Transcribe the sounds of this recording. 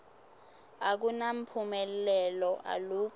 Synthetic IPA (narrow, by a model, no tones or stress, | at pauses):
ak̬unam̩pʰumɛllɛlɔʔa̰luːk̬ʼ